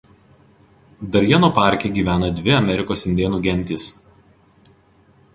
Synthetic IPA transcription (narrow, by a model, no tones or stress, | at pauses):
d̪ɐɾʲjɛnoːpɑˑɾʲkʲeɡʲiːʋʲæːnɐd̪ʲʋʲɪɐmʲɛɾʲɪkoːsɪnʲd̪ʲeɛnuːɡʲɛnʲt̪ʲɪs